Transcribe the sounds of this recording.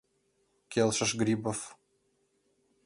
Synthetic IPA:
kʲelʃə̆ʃɡɾʲibof

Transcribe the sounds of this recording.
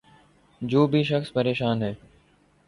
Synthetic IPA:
d͡ʑoːbʱiːʃəxspəɾeːʃaːnɦeː

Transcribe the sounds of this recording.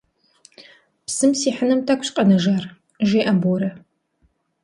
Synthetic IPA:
psɨmsiːħənɐmtʰɐkʷɕqʼɐnɐʒaːr | ʒeːʔɐboːɾɐ

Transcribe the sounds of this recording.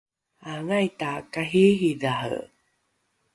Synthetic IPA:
aŋajtakaɦiɦiðaɦə̰

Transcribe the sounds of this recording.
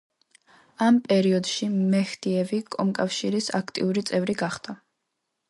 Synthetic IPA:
ampʼɛɾiɔd̪ʃimɛhd̪iɛvikʼɔmkʼafʃiɾisakʰt̪ʼḭuɾit̪sʼɛvɾiɡaχd̪̥a

